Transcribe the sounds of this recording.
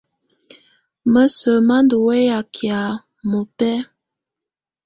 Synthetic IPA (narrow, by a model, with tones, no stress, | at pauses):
mə˦sə˨ma˦ndu˨wɛ˦ja˨kʰja˨ | mo˨pɛ˦